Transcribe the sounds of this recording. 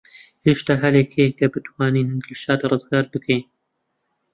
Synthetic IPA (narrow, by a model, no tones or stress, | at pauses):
heʃt̪aːɦɐlekʰekʰɐbɨt̪ʰwaːnind̪ɨlʃaːd̪rˤɨzɡaːɾbɨkʰɛjn